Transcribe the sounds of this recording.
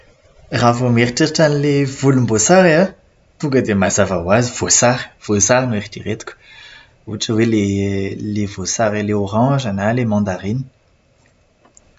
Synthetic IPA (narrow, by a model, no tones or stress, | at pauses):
ʁavomeʁtiʁtanlevulmbosaʁea | tuɡad̪emazavawazvosaʁv̥osaʁnuɛʁt̪iʁɛt̪k | ut͡ʃəwelelevosaʁeleɔʁɑ̃ːʒanalemɑ̃d̪aʁin